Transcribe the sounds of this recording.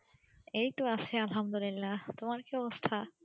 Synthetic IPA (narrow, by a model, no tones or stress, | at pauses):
ejʈoaʃʰealɦamd̪olilːat̪omaɾkiɔbost̪ʰa